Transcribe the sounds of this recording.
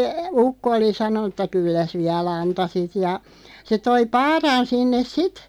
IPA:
se ukːo oli sɑnonˑu tˑɑ kylːæs ʋiæl ɑntɑsit jɑ se toi pɑːrɑn sinːes sit

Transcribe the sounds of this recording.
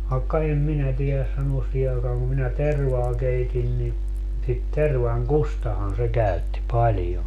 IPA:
ʋɑekːɑ em minæ tielæs sɑnuos siːhe ɑekɑːŋ ku minæ terʋɑː keitin ni sit terʋɑŋkustɑhɑn se kæytːi pɑlʲjon

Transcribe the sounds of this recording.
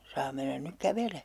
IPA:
sɑː menːæn nyk kæʋeleː

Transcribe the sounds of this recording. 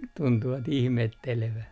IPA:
tuntuʋɑt ihmetːeleʋæ

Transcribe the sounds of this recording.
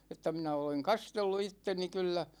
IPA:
etːæ minæ oleŋ kɑstelːu itːeni kylːæ

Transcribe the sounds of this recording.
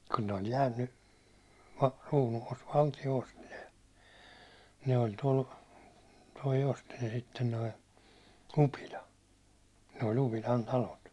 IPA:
kun ne ol jæːnːy ruːnuʋout ʋɑltio osti ne ne oi tol toi osti ne sitːen toi upilɑ ne ol upilɑn tɑlot

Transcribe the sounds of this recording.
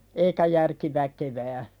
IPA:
eikæ jærki ʋækeʋæː

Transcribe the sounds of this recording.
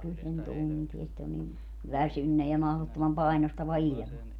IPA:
kyl sen tuntie sit on nin ʋæsynːe jɑ mɑhlotːomɑm pɑi̯nostɑʋɑ ilʲmɑ

